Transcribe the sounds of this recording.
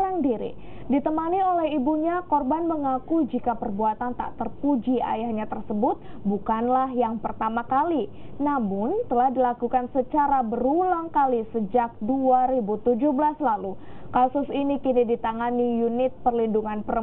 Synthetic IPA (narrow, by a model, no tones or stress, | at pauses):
ɾaŋdiɾḭ | dit̪əmaniolɛɦibuɲakɔrbanməŋakud͡ʒikapərbuat̪ant̪a̰ʔt̪ərpud͡ʒia̰jahɲat̪ərsəbʊt̪̚bukanlahjaŋpərt̪amakali | namʊnt̪əlahdilakukansət͡ʃaɾabəɾulaŋkalisəd͡ʒak̚duaɾibut̪ud͡ʒuhbəlaslalu | kasʊsinikinidit̪aŋanijunɪt̪̚pərlinduŋanpəɾə